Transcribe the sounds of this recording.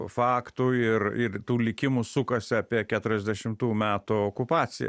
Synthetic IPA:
fɑːkt̪ʊɪrɪrt̪uːlʲɪkʲɪmʊsʊkɐsʲɪɐpʲiɛkʲæːt̪ʊɾʲɛzʲd̪ʲɛʃʲɪmt̪uːmʲæːt̪ʊoːkʊpɑːsʲɪjɛ̰

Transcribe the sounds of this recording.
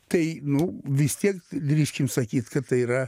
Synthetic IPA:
t̪ɐɪnʊʋʲɪst̪ʲiɛkd̪ʲɾʲiːʃʲkʲɪmsɐkʲiːt̪kɐtt̪ɐɪiɾɐ

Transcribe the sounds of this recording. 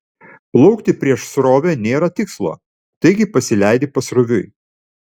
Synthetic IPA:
plˠɔʊkt̪ʲɪpʲɾʲiɛʃsɾoːʋʲeːnʲeːɾɐt̪ʲɪkslˠo̰ː | t̪ɐɪɡʲɪpɐsʲɪlʲæˑɪd̪ʲɪpɐsɾʊʋʲʊɪ

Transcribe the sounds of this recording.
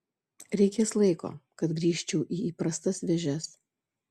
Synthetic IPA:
ɾʲɛɪkʲeːslˠɐɪko̰ːkɐt̪ɡɾʲiːʃʲt͡ʃʲɛʊʔiːiːpɾɐst̪ɐsʋʲɛʒʲɛs

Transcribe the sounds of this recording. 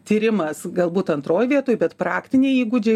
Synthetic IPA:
t̪ʲiːɾʲɪmɐsɡɐlˠbuːt̪ɐnt̪ɾoːjʋʲiɛt̪oːjbʲɛt̪pɾɑːkt̪ʲɪnʲɛɪiːɡʊd͡ʒʲɛ

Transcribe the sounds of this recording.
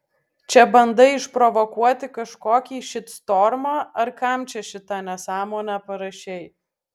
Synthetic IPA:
t͡ʃʲɛbɐnd̪ɐɪɪʃpɾɔʋɔkuɔt̪ʲɪkɐʃkoːkʲiːʃʲɪt̪st̪oɾmɑːɐɾkɐˑmʲt͡ʃʲɛʃʲɪt̪ɑnʲɛsɑːmoːnʲæpɐɾɐʃʲɛɪ

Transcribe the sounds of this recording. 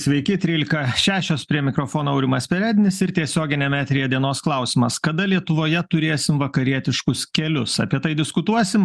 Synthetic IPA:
sʲʋʲɛɪkʲɪt̪ʲɾʲiːlʲɪkɐʃʲæːʃʲoːspʲɾʲiɛmʲɪkɾoːfoːnoːɐʊɾʲɪmɐsʲpʲɛɾʲæːd̪ʲɪnʲɪsɪɾt̪ʲiɛsʲoːɡʲɪnʲɛːmʲæːt̪ʲɾʲɪjɛd̪ʲiɛnoːsklˠɐʊsʲɪmɐskɐd̪ɐlʲiɛt̪ʊʋoːjɛt̪ʊɾʲeːsʲɪmʋɐkɐɾʲiɛt̪ʲɪʃkʊskʲɛlʲʊsɐ̰pʲiɛt̪ɐɪd̪ʲɪskʊt̪uɔsʲɪm

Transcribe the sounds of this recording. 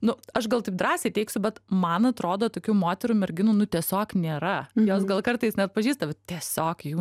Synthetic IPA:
nʊɐʃɡɐlˠt̪ɐɪp̚d̪ɾɑːsʲeɪtʲɛɪksʲʊbʲɛt̪mɐnɐt̪ɾoːd̪oːt̪oːkʲuːmoːt̪ʲɛɾuːmʲɛɾʲɡʲɪnuːnʊt̪ʲiɛsʲoːknʲeːɾɐjoːsɡɐlˠkɐrt̪ɐɪsnʲɛɐt̪̚pɐʒʲiːst̪ɐʋʲɛt̪ʲiɛsʲoːkjuː

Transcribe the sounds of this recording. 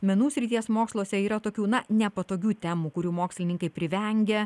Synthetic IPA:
mʲɛnuːsʲɾʲɪt̪ʲiɛsmoːkslˠoːsʲɛiːɾɐt̪oːkʲuːnɐnʲɛpɐt̪oːkʲuːt̪ʲɛmuːkʊɾʲuːmoːksʲlʲɪnʲɪŋkɐɪpʲɾʲɪʋʲɛŋʲɡʲɛ

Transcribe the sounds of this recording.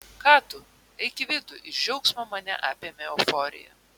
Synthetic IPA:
kɑːt̪ʊ | ɐɪkʲɪʋʲɪd̪ʊʔɪd͡ʒʲɛʊksmɐmɐnʲɛ̰ʔɑːpʲeɛmʲɛofɔːɾʲɪ̰jɛ̰

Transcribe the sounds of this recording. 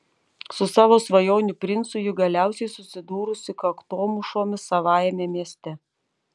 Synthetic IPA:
sʊsɑːʋoːsʋɐjoːnʲʊpʲɾʲɪnt̪sʊjʊɡɐlʲæˑʊsʲɛɪsʊsʲɪd̪uːɾʊsʲɪkɐkt̪oːmʊʃoːmʲɪsɐʋɑːjmʲeːmʲiɛsʲt̪ʲɛ

